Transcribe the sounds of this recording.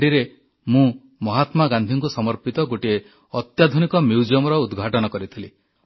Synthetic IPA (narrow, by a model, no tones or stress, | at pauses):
ɖiɾe | mũ | mɔɦat̪maɡand̪ʱiŋkusɔmɔɾpit̪ɔɡoʈie | ɔt̪jad̪ʱunikɔmiwd͡ʒɔmɔɾɔud̪ɡʱaʈɔnɔkɔɾit̪ʰili